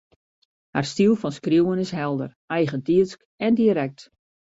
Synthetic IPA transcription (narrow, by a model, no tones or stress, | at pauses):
ha̰rstilˠfɔnskrjuwənɪsɦɛlˠdə̰r | ɛjɣəntiəsk | ɛndiəɾɛk̚t